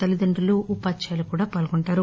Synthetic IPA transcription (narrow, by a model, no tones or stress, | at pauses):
ɐlid̪ɐɳɖuluʔupaːt͡ʃaːlukuːɽaːpaːlɡɔɳʈaːɾu